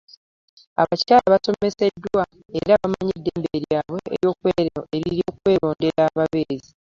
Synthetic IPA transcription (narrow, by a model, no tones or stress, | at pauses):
a̰βacaːlaβaso̞me̞se̞dːwa | eɾaβamaɲedːeːmbe̞ɾjaːβwe̞ḛɾjo̞ːkweːɾeɾiɾjoːkwe̞ːlo̞ːnde̞ɾaːβaβeːzi